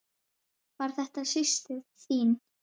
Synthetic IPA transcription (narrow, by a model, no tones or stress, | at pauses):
vaɾ̥θɛht̪asɪst̪ɪðsiːn